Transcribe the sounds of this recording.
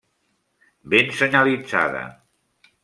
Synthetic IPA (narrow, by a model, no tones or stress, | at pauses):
bensəɲəlid͡za̰ðə̰